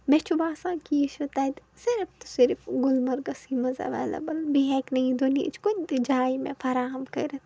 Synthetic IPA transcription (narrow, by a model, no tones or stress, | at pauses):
met͡ʃʰubaːsãːnkijiʃot̪ad̪ | sɪɾft̪u̥sɪɾfɡʊlmɐɾɡɐsimɐza̰ʋa̰ːlɐ̰bɐlbiɦɛːknɐĩd̪uniḭt͡ʃkunt̪id͡ʒaːimḛ̃fɐɾaːɦɐmkɐ̰ɾɐt̪